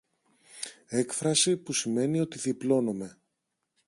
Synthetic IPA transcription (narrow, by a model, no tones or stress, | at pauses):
e̞kfɾɐsipusime̞nio̞t̪iθiplo̞no̞me̞